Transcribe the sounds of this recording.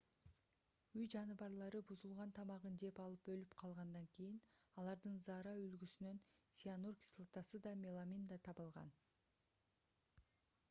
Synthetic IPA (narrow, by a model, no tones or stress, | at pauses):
yjd͡ʒɑnɯβɑɾlˠɑɾɯbuzulˠʁɑnt̪ʰɑmɑʁənd̪e̞pɑlˠɯpølypqʰɑlˠʁɑnd̪ɑŋkʲʰejinɑlˠɑɾd̪ɯnzɑɾɑylɡysynønsʲianurkʲi̥slˠat̪ɑsɯd̪ɑmʲelˠamʲind̪ɑt̪ʰɑβɯlˠʁɑ̰n